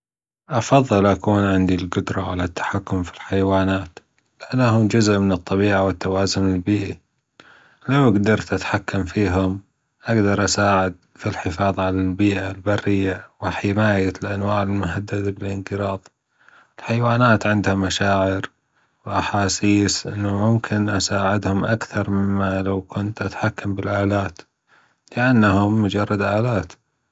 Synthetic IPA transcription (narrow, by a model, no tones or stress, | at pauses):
ʔɑfɑðˤːɨlʔakuːnʕɪnd̪ilɡʊd̪ɾˤɑʕa̰lat̪ːḁħakːʊmfi̥lħajwaːnaːt̪ | lɪʔanːahʊmd͡ʒʊzʔmɪnɨt̪ˤːɑbiːʕawɪt̪ːawaːzʊnɪlbiːʔi | lawʔaɡd̪ɑɾˤt̪ʔat̪ħakːamfiːɦʊm | ʔaɡd̪ɑɾˤʔasaːʕɪd̪̚filħɪfɑːðˤʕalalbiːʔalbarːɪjːawɪħɪmaːjalʔanwaːʕɪlmʊɦad̪ːad̪abɪlʔɪnqɨɾɑːðˤ | ɪlħajwaːnaːt̪ʕɪnd̪hamaʃaːʕɪɾ | wʔaħaːsiːsʔɪ̰nːamʊmkʰɪnʔasaːʕɪd̪hʊmʔakθɑɾˤmɪmːalawkʰʊnt̪ʔat̪ħakːambɪlʔaːlaːt̪ | lɪʔanːhʊmːʊd͡ʒɑrˤːɑd̪ʔaːlaːt̪